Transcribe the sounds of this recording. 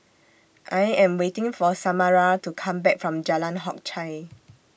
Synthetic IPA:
ʔajɛ̃mwetĩŋfɔsamaɹatukʰãmbɛk̚fɹɔ̃md͡ʒalãnɦɔk̚t͡ʃʰaj

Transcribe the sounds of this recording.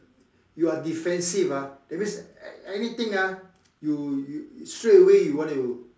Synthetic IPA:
juadifɛ̃nsivad̥ɛt̚mĩnsɛnit̪ĩŋa | jujustɹeəwejuwɔ̃nu

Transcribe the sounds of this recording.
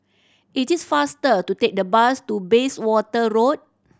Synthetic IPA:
ʔitisfastətutek̚dəbastubeswɔtəɹot̚

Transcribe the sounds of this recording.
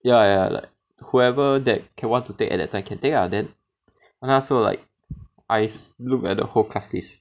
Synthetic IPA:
jaja̰la̰ɪk̚huɛvədɛt̚kʰɛ̃nwãntutekɛ̰t̚dɛ̰tʰːãɪ̃mkʰɛ̃ntekadɛ̃n | ãnasola̰ɪk̚ | ʔaɪslukɛ̰t̚də̰holkʰastlis

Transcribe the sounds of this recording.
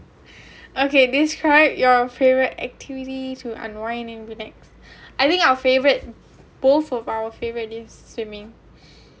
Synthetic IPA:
okediskʰɹaɪbjɔfevəɹitɛ̰k̚tʰivititʰuʔã̰nwãɪ̃nɛ̃nbinɛks | ajt̪ĩŋkaʊəfevəɹit̚ | b̥oθɔfawəfevəɹit̚lisɹĩmĩŋ

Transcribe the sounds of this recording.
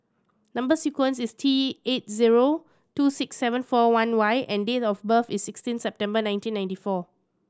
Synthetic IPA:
nãmbəsikwə̃nsistʰiet̚ziɹo | tusɪksːɛvə̃nfɔwãnwajʔɛ̃ndetɔfbəfisːikstĩnsɛp̚tɛ̃mbənãj̃ntĩnːãj̃ntifɔ

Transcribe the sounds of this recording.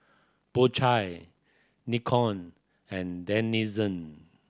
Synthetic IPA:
b̥ot͡ʃʰaj | nikʰɔ̃n | ɛ̃ndɛ̃nizə̃n

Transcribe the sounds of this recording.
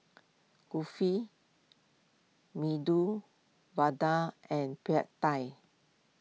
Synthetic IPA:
kufi | midu | vadaʔɛ̃npiatːaj

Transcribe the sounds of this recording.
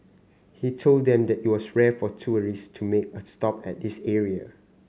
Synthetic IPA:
hitʰolddɛ̃mdɛtit̚wɔsɹɛfɔtʰuəɹistʰumek̚əstɔpɛ̰t̚disɛɹiə

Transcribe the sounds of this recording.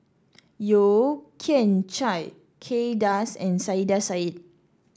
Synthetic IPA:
jokʰɛ̃nt͡ʃaj | kʰedasɛ̃nsajdasait̚

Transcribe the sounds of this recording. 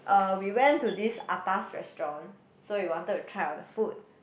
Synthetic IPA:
ʔʌwiwɛ̃ntudisa̰tasɹɛ̰stɹɔ̃n | soiwɔ̃ntətːutʰɹaɪɔ̰̃ndəfut̚

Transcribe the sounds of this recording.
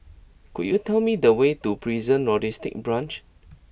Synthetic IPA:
kṵd̚jutɛlmidəwetupʰɹizə̃nɹɔdistɪ̰k̚bɹãnt͡ʃ

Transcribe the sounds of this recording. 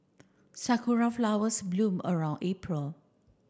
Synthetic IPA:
sakʰuɹaflawəsblũmə̰ɹãw̃ndepʰɹəl

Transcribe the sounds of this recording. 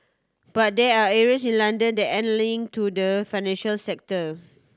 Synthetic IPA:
b̥at̚dɛaɛɹiəsĩnlãndə̃ndɛʔɛ̃nlĩŋtʰudəfajnɛ̃nʃəlsɛk̚tə

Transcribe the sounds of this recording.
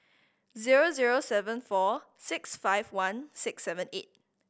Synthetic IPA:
ziɹoziɹosɛvə̃nfɔ | sɪksfaɪvwãnsɪksɛvə̃net̚

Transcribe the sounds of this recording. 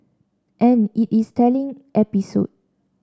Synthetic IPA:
ʔɛ̃nitistʰɛlĩŋʔɛpiso̰d̚

